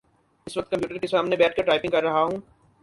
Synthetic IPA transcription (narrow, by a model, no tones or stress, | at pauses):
ɪsʋɐk̚t̪̚kɐ̃mpjuːʈəɾkesaːmnebɛːʈ̚ʰkɐɾʈɾaːɪpɪ̃ŋkɐɾːɐɦaɦũː